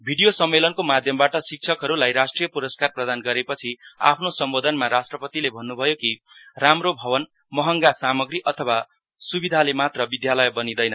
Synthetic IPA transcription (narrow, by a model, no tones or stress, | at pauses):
bʱiɽijosʌmːelʌnkomad̪ʱjʌmbaʈʌsik̚t͡sʰʌkɦʌɾulajɾasʈrijʌpuɾʌskarprʌd̪anɡʌɾepʌt͡sʰia̰pʰnosʌmbod̪ʱʌnmaɾasʈrʌpʌt̪ilebʱʌnːubʱʌjokiramrobʱʌβʌn | mʌɦʌŋɡasamʌɡɾiʔʌt̪ʰʌwa | subid̪ʱalemat̪rʌbid̪jalʌjbʌnid̪ʌjnʌ